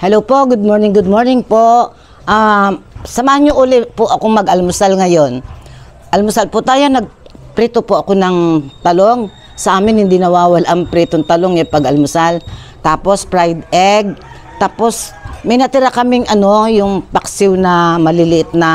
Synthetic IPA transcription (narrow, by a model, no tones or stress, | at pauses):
hɛlowpo̞ɡʊd̪̚moɹnɪŋɡʊd̪̚mo̞ɹnɪŋpo̞ʔʔ | ʔa | sɐmaːhanɲːjoʔuːlɪpʊʔɐkoŋmɐɡʔɐlmʊsalŋɐjo̞n | ʔɐlmʊsalpʊt̪aːjo̞nɐɡ̚ | pɾiːt̪opoʔɐko̞nɐŋt̪ɐlo̞ŋ | sɐʔaːmɪnhɪnd̪inɐwaːwɐlʔɐŋpɾit̪oŋt̪ɐloŋjɐpɐɡɐlmʊsal | t̪aːpo̞spɹajd̪ɛɡ̚ | t̪aːpo̞smɐjnɐt̪ɪɾakɐmɪŋʔɐno̞jʊŋpɐksɪwnɐmɐlɪlɪʔɪt̪̚nɐ